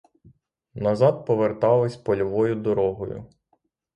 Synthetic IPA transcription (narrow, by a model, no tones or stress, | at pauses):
nɐzɑd̪̚pɔʋert̪ɑlˠɪsʲpɔlʲɔʋɔjʊd̪ɔɾɔɦɔjʊ̰